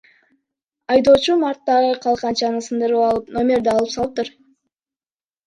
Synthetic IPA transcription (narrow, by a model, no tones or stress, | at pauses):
ɑjd̪o̞ːt͡ʃumɑɾt̪ːɑʁəqʰɑlˠqɑnt͡ʃɑnəsɯnd̪ɯɾəpɑlˠɯpno̞mʲeɾd̪ɑɑːlˠɯpsɑlˠɯp̚t̪ɯɾ